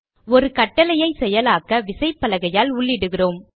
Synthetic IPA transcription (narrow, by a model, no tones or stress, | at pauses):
ɔɾɯkɐʈːɐlɐjɐɪsɛjɐlaːkɐʋɪsɐɪpːɐlɐɣɐjaːlʊɭːɪɽɯɣɪroːm